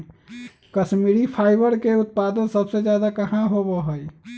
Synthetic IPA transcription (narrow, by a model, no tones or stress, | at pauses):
kət͡ʃmiɾipʰaɪbəɾkeʊt̪̚pad̪ənsəbsed͡ʒjad̪akəɦãɦobəɦoj